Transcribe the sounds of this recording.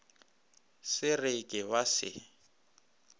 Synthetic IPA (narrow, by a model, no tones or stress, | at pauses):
sɪrɪkʼɪwasɪ̰